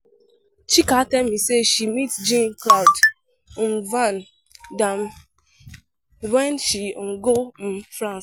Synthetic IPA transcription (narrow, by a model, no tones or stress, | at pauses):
t͡ʃikatɛlmiseʃimitd͡ʒĩnklad | mvan | dam | wɛ̃nʃiɡom̩fɾãns